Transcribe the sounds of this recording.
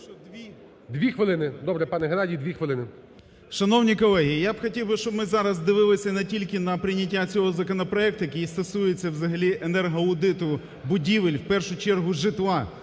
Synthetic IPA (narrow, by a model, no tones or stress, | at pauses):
d̪ʋʲixʋɪlˠɪnɪd̪ɔbɾɛpɑnɛɦenɑdʲiːd̪ʋʲixʋɪlˠɪnɪ | ʃɐnɔwnʲikɔlˠɛɦijijabxɔtʲiwbɪʃt͡ʃɔbmɪzɑɾɐzd̪ɪʋɪlˠɪsʲɐnetʲilʲkɪnɐpɾɪnʲɐt̬ʲːat͡sʲɔɦɔzɐkɔnɔpɾɔɛkt̪ʊjɐkʲijist̪ɐsujet͡sʲːɐwzɐɦɐlʲiʔenɛrɦɔʊd̪ɪt̪ʊ | bʊdʲiʋɪlʲwpɛrʃʊt͡ʃɛrɦʊʒɪt̪lˠɑ